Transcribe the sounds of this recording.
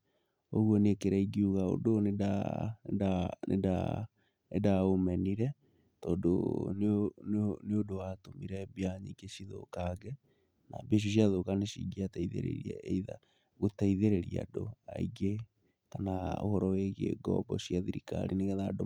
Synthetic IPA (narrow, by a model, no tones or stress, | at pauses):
oɣwɔnekeɾaiɡiuɣao̰doneda | anḛda̰ | edaomɛniɾɛ | tɔːdo̰n | neodoatomiɾɛbjaɲiɡeɕiðo̰kaɡɛ | nabeʃ̬uoɕ̬jaðokaneɕiɡiataiðḛɾḛɾiɛ̰iða̰ | ɣotaiðeɾeɾia̰doa̰iɡe | tanao̰hɔɾɔweɣḛɡɔ̰bɔsjaðiɾika̰ɾineɣeðado